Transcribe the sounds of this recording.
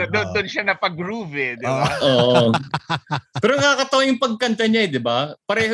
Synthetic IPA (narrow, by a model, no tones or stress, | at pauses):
d̪ond̪ʊnʃanɐpɐɡɾuːvɛd̪ɪbaʔoːʔ | pɛːɾonɐŋkakɐt̪ɐwɐjʊŋpɐɡ̚kɐnt̪ɐɲaɛd̪ɪbapɐɾɛːh